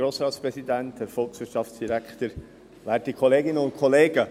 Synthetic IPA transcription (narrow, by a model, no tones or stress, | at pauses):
ɾoːsɾɑːtspɾɛsidænthæɾfɔlˠksʋɪɾtʃɑftt͡ssd̥iɾækχt̪əɾ | væːtikʰχɔleːɡɪnəʊnt̚kʰχɔleːɡ̥ə